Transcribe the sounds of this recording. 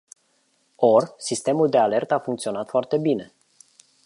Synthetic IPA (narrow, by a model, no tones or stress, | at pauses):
orsist̪e̞muld̪e̞ale̞rt̪əafuŋkt̪sio̞nat̪foart̪e̞bine̞